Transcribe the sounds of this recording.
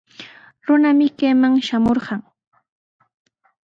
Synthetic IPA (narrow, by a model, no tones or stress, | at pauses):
ɾʊnamɪkajmaŋʃamoɾɢɑŋ